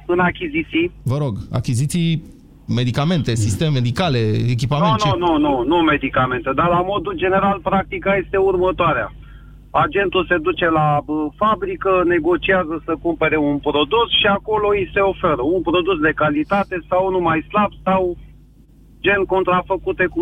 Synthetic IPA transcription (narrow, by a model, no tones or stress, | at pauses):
ɨnakʲizit̪sijvəɾo̞ɡa̰kʲizit̪si | me̞d̪ikame̞nt̪esist̪emmed̪ikaleek̬ʲipamennununume̞d̪ikame̞nt̪ed̪arlamo̞d̪uld͡ʒe̞ne̞ɾalpɾak̚t̪ikaje̞st̪e̞urmət̪oaɾea̰ | ad͡ʒe̞nt̪ulse̞d̪ut͡ʃe̞laəfabɾikəne̞ɡo̞t͡ʃiazəsəkumpe̞ɾe̞unpɾo̞d̪usʃiako̞loise̞o̞feɾəunpɾo̞d̪us̬d̪e̞kalit̪at̪e̞sawnumajslabsaw | d͡ʒe̞nʲko̞nt̪ɾafəkut̪e̞ku